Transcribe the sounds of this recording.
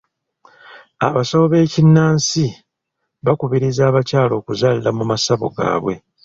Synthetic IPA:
aβasooβe̞ːcinːaːnsi | βakuβiɾizaːβacaːlo̞ːkuzaːlilamumasaβo̞̰ɡa̰ːβwe̞̰

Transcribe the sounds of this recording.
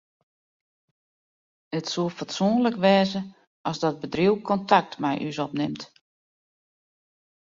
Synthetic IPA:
ətsulˠfatsuənləkʋɛːzə | ʔɔzdɔt̚bədriwkʰɔntʰak̚tmɛjʔysɔpnɪmt

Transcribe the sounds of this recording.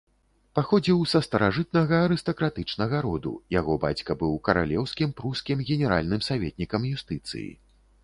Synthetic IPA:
paxɔd͡zʲiwsɐst̪ɐɾaʐɨt̪̚nɐɣɐːɾɨst̪ɐkɾat̪ɨt͡ʂnɐɣɐɾɔd̪ṵjaɣɔba̰t͡sʲkɐbɨwkɐɾa̰lʲɛwskʲimpɾuskʲimɣʲɛnʲɛɾa̰lʲnɨmsavʲɛt̪̚ʲnʲikɐmjust̪ɨt̪sɨ̰jḭ

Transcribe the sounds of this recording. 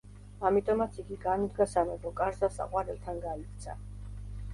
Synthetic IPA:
amit̪ʼɔmat̪sʰiɡiɡanud̪ɡasamɛbɔkʼaɾzasa̰qʼwaɾɛlˠt̪ʰanɡaikʰt̪sʰa̰

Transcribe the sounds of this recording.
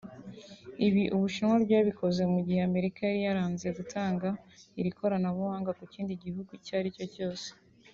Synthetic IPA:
iβiʔuβuʃinŋwabjaːβikʰo̞ze̞muɟiheame̞ɾikajaɾijaɾaːnzeɡutʰaːŋɡaiɾikʰo̞ɾanaβuhaːŋɡakuciːndiɟihuɡucaɾico̞co̞ːse̥

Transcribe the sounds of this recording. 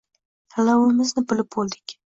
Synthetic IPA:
alɑwɪmɪznɪbɪlɪp̚bolˠd̪ɪkʲ

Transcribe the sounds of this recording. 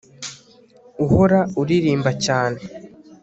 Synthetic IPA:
uho̞ɾauɾiɾiːmbacaːne̞

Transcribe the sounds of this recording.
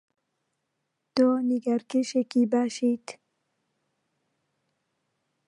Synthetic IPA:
t̪oːniɡaɾkɪʃekibaːʃiːt̪

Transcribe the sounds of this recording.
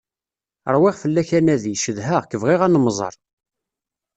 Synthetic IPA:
əɾˤwɪʁfəlːæçænæðiʃəðɦəʁkəvʁɪʁænmzˤɑ̰ɾˤ

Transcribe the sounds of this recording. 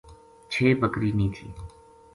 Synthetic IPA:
t͡ʃʰeːbəkɾiːnĩːt̪ʰḭː

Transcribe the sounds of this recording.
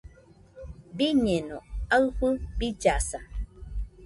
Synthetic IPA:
biɲɛnɔaɰɸɨbid͡ʒasa

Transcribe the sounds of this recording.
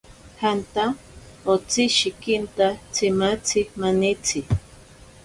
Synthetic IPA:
hant̪a | ot͡siʃikint̪at͡sʰimat͡sʰimanit͡sʰi

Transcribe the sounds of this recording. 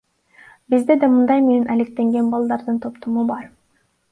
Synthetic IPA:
bizd̪ed̪emɯnd̪ɑjmenenʔælek̚t̪e̞ŋɡe̞nbɑlˠd̪ɑɾd̪ɯnt̪ʰo̞pt̪omubɑɾ

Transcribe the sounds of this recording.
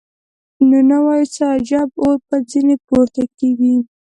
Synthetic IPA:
nonawɑjit͡səːd͡ʒɑboɾpəd͡zinepoɾt̪akeɡi

